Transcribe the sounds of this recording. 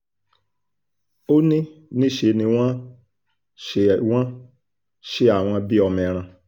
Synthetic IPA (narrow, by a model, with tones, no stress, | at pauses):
o˦nĩ˦nĩ˦ʃe˨˦nĩ˨wʷã˦ | ʃe˨wʷã˦ | ʃe˦a˨w̃ʷã˧bi˦ɔ˧me˨ɾ̃ã˧